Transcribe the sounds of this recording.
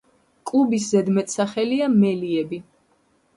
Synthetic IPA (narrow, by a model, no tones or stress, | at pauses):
kʼlˠubiszɛd̪mɛt̪ʼsaχɛliamɛliɛbi